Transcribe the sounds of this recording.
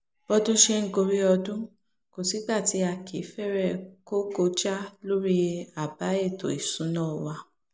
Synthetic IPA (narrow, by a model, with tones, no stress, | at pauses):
b̥ɔ˧dũ˦ʃe˧ŋ̩˦ɡo˧ɾi˦ɔ˧dũ˦ | ko˨si˨˦ɡ͡ba˦˨ti˧˦a˧˨kʰḭ˨˦fɛ˦˨ɾɛ˦˨ko˦ko˧d͡ʒa˦lo˦ɾi˦˧a˨ba˨˦e˦˨to̰˨i˨sũ˨˦nãː˦˨wa˧